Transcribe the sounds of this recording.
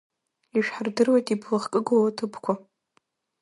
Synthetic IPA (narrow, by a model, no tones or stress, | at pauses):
iʃᶣħardɨrwajtʼibʰlɨχkʼɨɡowatʰɨpʰkʷʰa